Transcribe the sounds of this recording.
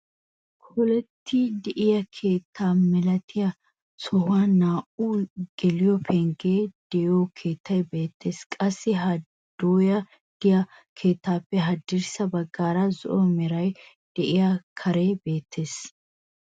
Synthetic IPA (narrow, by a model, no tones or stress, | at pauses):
kʰɔlɛt̪ʰːɪd̪ɛʔɪjɐkʰe̞ːt̪ʰːaːmɛlɐt̪ʰɪjɐ | sɔhanaːʔuɡ̥ɛlɪjɔpʰɛŋɡeːd̪̥ɛjoːkʰeːt̪ʰːɐjbe̞ːt̪ʰːe̞ːskʼɐsːɪɦɐ | d̪̥oːjɐ | d̪̥ɪjɐ | kʰe̞ːt̪ːaːpːɛɦɐd̪ːɪɾsɐbɐɡːaːɾɐzɔ̰ʔɔmɛɾɐj | d̪̥ɛʔɪjakʰɐɾebe̞ːt̪ʰːe̞ːs